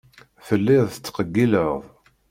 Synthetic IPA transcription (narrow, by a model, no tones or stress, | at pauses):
θəlːɪððˤət͡sːqəɡːiləʁðˤ